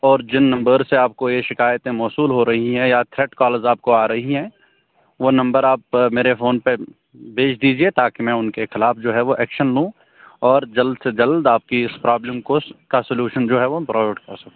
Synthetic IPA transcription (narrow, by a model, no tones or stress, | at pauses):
ɔːɾd͡ʒɪnːɐ̃mbəɾseaːp̚kojeʃɪkaːjət̪ẽmɔːsuːlɦoɾɐɦiɦɛ̃jat̪ʰɾɛːʈkɔːləɾzaːp̚koaːɾɐɦiɦɛ̃ː | ʋonɐ̃mbəɾaːp̚meːɾefoːnpe | bʱeːt͡ʃʰd̪iːd͡ʒiet̪aːkimɛ̃ʊnkexɪlaːfd͡ʒoːɦɛʋoʔɛːkʃənlũː | ɔːɾd͡ʒɐld̪sed͡ʒɐld̪aːp̚kiɪspɾaːbləmkokasʊljuːʃənd͡ʒoːɦɛʋopɾɔːɪʈkɐɾsɐkː